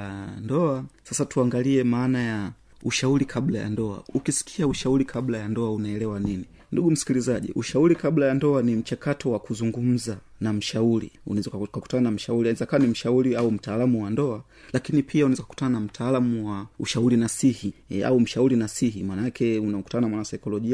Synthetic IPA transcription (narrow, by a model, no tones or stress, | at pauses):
andɔasasatuaŋɡaliɛmaːnaja | uʃauɾikʰablaja̰ndɔa̰ukisi̥kʰiauʃauɾikʰablajandɔaunaɛlɛwanini | nduɡum̩si̥kilizaʄḭʔuʃauɾikablajandɔanim̩t͡ʃakatɔwakuzuŋɡum̩zanam̩ʃauɾḭṵnɛzakaku̥tananam̩ʃauɾiɛzakawanim̩ʃauɾiaum̩taːlamuwandɔa | lakinipʰiaunɛzakḁku̥tananam̩tʰaːlamuwaṵʃauɾinasihia̰um̩ʃauɾinasihimanaakɛunaɔku̥tanamwanasaikɔlɔʄia